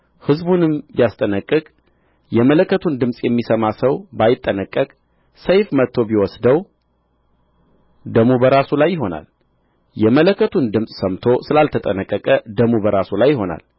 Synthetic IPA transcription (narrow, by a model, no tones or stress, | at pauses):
hɨzbunɨmbjast̪ʼənəkʼːɨkʼ | jɛmələkːət̪ʰund̪ɨmsʼjɛmːisəmasəwbajɪt̪ʼːənəkʼːəkʼ | səjfmət̪ʰːo̞biwɔsd̪əw | d̪əmubəɾasulajːɪɦo̞na̰l | jɛmələkʰːət̪ʰund̪ɨmsʼsəmt̪ʰo̞sɨlalt̪ʰət̪ʼənəkʼːəkʼəd̪əmubəɾasulajːɪho̞na̰l